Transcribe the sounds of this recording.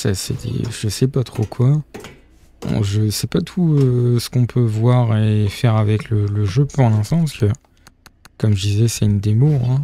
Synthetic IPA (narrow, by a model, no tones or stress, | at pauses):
sasɛ̰d̪ḛʒəsɛpat̪χokʰwa | ɔ̰̃ʒəsɛpat̪ʰuøsə̥kɔ̃pʰøvwaʁefɛʁavɛklələʒøpuʁlɛ̃st̪ɑ̃paskə | kɔmʒəd̪izɛsɛynd̪emoɛ̃